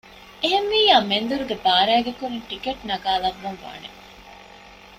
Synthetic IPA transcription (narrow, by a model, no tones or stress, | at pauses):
eɦenʋiːjaːmend̪uɾuɡebaːɾæːɡekuɾinʈikeʈnɐɡaːlɐʋːɐnʋa̰ːne